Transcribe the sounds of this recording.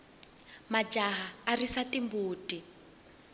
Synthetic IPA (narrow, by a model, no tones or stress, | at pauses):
mad͡ʒaɦaːrisatimbuːtʼi